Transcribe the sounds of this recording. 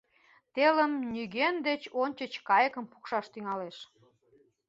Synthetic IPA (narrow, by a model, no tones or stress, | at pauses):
t̪eləmnyɣend̪et͡ɕonʲt͡ɕət͡ɕkɑjəkəmpu̥kʃɑʃt̪yŋɑleʃ